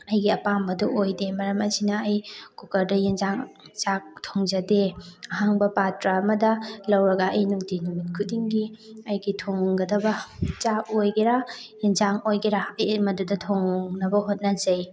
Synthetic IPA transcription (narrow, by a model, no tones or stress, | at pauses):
ɐjɡiɐpambɐduʔojdemɐɾɐmɐzinɐɐjkukɐɾdɐjinzaŋt͡ʃak̚tʰoŋzɐdeɐɦaŋbɐpatɾamɐdɐlɐwɾɐɡɐɐjnuŋtinumit̚kʰut̚diŋɡiɐjɡitʰoŋɡɐdɐbɐt͡ʃakojɡeɾajinzaŋojɡeɾaɐjmɐdudɐtʰoŋnɐbɐɦot̚nɐzɐj